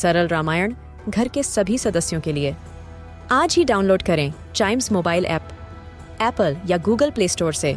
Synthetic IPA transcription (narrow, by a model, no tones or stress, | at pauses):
sɐɾəlɾaːmaːjəɳ̃ | ɡʱɐɾkesɐbʱisɐd̪əsjõkelie | aːd͡ʒɦiɖaːʊnloːɖkɐɾẽː | t͡ʃaːɪmzmoːbaːɪlʔɛ̰ːp | ɛːpəljaɡuːɡəlpleːsʈoːɾseː